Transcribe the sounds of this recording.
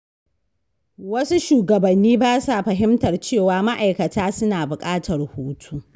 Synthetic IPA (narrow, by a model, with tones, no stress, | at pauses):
wɐ˦su˦ʃuː˨ɡɐ˨bɐ˨nːiː˦baː˦sa˨ɸɐ˨ɦɪ˦mtɐ˨rt͡ʃeː˦˨waː˨ma˦ʔa˨jkɐ˨tʰaː˦sʊ˦naː˨bʊ˨kʼaː˦tʰɐ˨rhoː˦tʰuː˦